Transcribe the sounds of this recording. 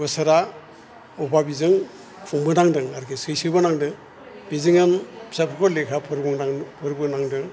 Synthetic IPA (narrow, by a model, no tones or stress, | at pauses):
bɯsaɾa | ɔbabizɯŋ | kʰuŋbɯnaŋdɯŋaɾkʰesɯjsɯbanaŋdɯ | bizɯŋɯnpʰi̥sapʰɯkʰɔlekʰapʰɾŋaŋpʰɯɾbɯnaŋdɯŋ